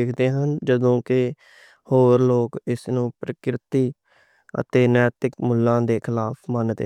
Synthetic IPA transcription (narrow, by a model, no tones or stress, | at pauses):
ekʰd̪eːɦənd͡ʒəd̪õːkɪ | hoːɾloːkɪsnũːpɾəkɾɪt̪iː | ə̰t̪eːnɛːt̪ɪkmʊlːãːd̪eːkʰɪlaːpʰmənd̪ḛ